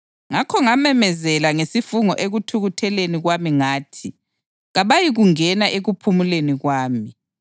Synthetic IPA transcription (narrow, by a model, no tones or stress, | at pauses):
ŋakʰɔŋamɛmɛzɛlaŋesifuŋɔ̰ʔeɣutʰuɣutʰɛleniɣwamiŋaːtʰi | ɣaβajiɣuŋɛnaʔeɣupʰumuleniɣwaːmi